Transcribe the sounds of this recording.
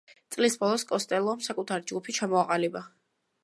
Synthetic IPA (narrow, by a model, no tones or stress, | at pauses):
t̪sʼlisbɔlˠɔskʼɔst̪ʼɛlˠɔmsakʼut̪ʰaɾid͡ʒɡupʰit͡ʃʰamɔaqʼaliba